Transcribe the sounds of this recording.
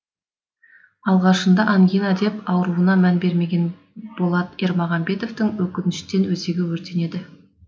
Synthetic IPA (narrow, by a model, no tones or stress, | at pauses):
ɑlˠʁɑʃənd̪ɑʔɑŋɡʲinɑd̪e̞pɑwəɾuənɑmænbe̞ɾme̞ɡʲe̞n | b̥o̞lˠɑt̪e̞ɾmɑʁɑmbe̞t̪o̞ft̪ɪŋwɵkʲɪnɪʃt̪e̞nwɵze̞ɡʲɪwɵɾt̪e̞ne̞d̪ɪ